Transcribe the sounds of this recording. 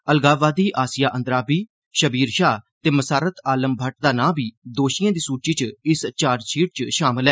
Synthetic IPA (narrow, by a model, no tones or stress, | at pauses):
əlɡaːbaːd̪iːʔaːsɪjaːʔənd̪ɾaːbiː | ʃəbiːɾʃaːt̪eːməsaːɾət̪aːləmbʱəʈ̚d̪aːnãːbiːd̪oːʃɪjãːd̪iːsuːt͡ʃiːt͡ʃɪst͡ʃaːɾt͡ʃʰiːʈ̚t͡ʃʃaːmɪlɛː